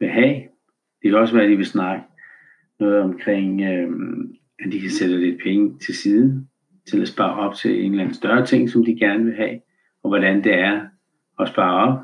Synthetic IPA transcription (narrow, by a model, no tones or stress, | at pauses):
ʋe̝ɦɛ̰ː | d̥e̝kʰæɒ̽sʋæːɐd̥iʋe̝snɑ̈ɡ̥ə | nɔ̽ːð̞̩ˠɒ̽mkʰʁeŋ̰ø | æd̥ikʰæsed̥əled̥̚pʰeŋət͡sʰe̝lsiːðˠ | t͡sʰe̝læsb̥ɑ̰̈ːɒ̽b̥̚t͡sʰe̝len̩lænəsd̥ɶɐt͡sʰe̝ŋ̰sɒ̽md̥iɡ̥æɐnəʋe̝ɦɛ̰ː | ɒ̽ʋɒɾænd̥e̝æɐ | ɒ̽sb̥ɑ̈ːɒ̽b̥̚